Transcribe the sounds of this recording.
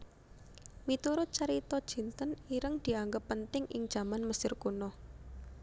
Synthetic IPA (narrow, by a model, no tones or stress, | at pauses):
mit̪uɾʊt̪̚t͡ʃəɾit̪ɔd̥ʒ̥i̤nt̪əniɾəŋd̪̥i̤aŋɡəpːənt̪ɪŋʔɪ̰ŋ̥ʒ̥a̤manməsɪrkunɔh